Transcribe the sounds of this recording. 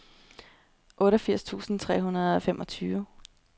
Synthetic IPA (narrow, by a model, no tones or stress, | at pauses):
ʔɔ̽ːɾɐfiɐ̰st͡sʰṵːsn̩t͡sʰʁɛ̰ːɦunɐð̞ˠɒ̽femʔɒ̽t͡sʰyːʋə